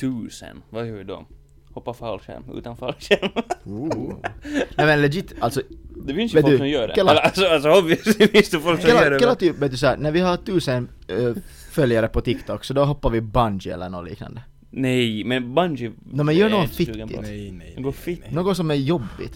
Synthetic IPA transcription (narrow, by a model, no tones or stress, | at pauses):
t̪ʰʉːsə̰nvajœvɪd̪ɔ̰ | hɔpːafalʂɛ̰nmʉ̰ːt̪anfalʂɛm | nɛmɛnlɛd͡ʒɪt̪ːalt̪sɔd̪ɛfɪnsjveːtfsɔmjøːɖɛ̰ɛllasɔalsɔɔbvɪfɪnst̪ɔfɔlkksɛlːɛlːat̪yveːt̪̚d̪sɔænæɾvɪhat̪ʰʉːsən | fœljaɾəpɔt̪ʰɪkt̪ʰɔkːsɔd̪ɔɦɔpːaɾvɪband͡ʒɪɛ̰lːə̰ɳo̰lḭːkna̰nd̪ə | nɛjmɛnband͡ʒɪnɔːmɛnjœːɳoːɡɔnfɪt̪ːɪ̰ɡfnoːɡɔsɔmæjɔbːɪ̰t̪